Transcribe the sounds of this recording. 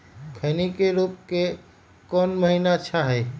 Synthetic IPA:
kʰəjnikeɾuːp̚ke | kɔnməɦinat͡ʃʰaɦɛ

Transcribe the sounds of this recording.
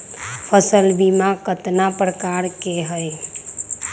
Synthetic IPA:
pʰəsəlbimakət̪napɾəkaɾkeɦəj

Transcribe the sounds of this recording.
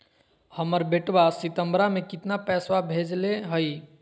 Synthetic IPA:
həməɾbeʈbasit̪əmbɾamekit̪napɛswabʱed͡ʒleɦəj

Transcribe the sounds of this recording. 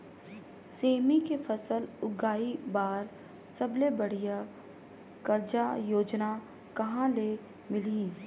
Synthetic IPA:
seːmikefɐsəlʊɡaːibaːɾ | sɐblebɐɽ̤ija | kɐɾd͡ʒajoːd͡ʒna | kɐɦãle | mɪli

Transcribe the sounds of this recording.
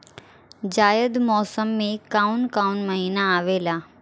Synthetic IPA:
d͡ʑaːjəd̪mɔːsəmːẽkaːʊnkaːʊnmɐɦiːnaaːʋelaː

